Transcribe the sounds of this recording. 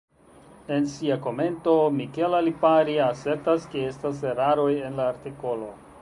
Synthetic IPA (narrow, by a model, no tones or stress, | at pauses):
e̞nsiako̞me̞nto̞mike̞lalipaɾiase̞ɾtaskee̞stas̬eɾaɾo̞je̞nlaːɾtiko̞lo̞